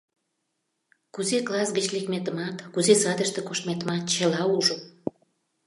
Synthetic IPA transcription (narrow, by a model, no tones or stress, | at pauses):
kuzeklɑsɡət͡ɕlekmet̪əmɑt̪kuzesɑd̪əʃt̪ĕkoʃt̪met̪əmɑt̪̚t͡ɕəlɑuʒə